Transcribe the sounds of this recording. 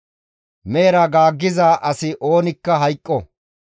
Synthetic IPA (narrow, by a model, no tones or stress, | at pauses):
meːɾɐɡaːɡːɪzaːʔɐsɪʔo̞ːnɪkːɐɦɐjkʼːɔ